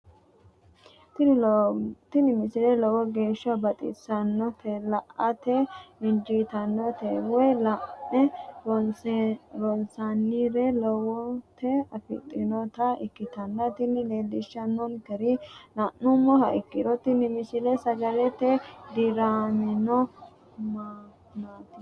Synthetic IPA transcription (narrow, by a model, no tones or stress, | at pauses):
t̪ | t̪ɪnɪmɪsɪlɛlɔwɔɡeːʃːɐbɐt̪ʼɪ̰sɐnːɔt̪ʰɛlɐʔɐt̪ɛɪnd͡ʒit̪ɐnːɔt̪ɛwɛjlɐʔɛɾɔ | ɾɔnsɐnːɪɾɛlɔwɔt̪ɛɐfɪ̰t̪ʼːɪnɔt̪ɐɪkːɪt̪ɐnːɐt̪ɪnːɪleːd̪ɪʃːɐnːɔnkɛɾɪnɐʔːʊmːɔhɐɪkːɪd̪ɔt̪ɪnɪmɪsɪlɛsɐɡɐlɛt̪ːɛd̪ɪɾaːnɪnɔ | ma | nat̪ɪ